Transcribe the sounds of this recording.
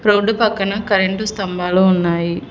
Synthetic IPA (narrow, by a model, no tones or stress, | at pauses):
pɾoːɖːupɐkːɐnɐkɐɾeɳʈust̪ɐmbaːloːunːaːji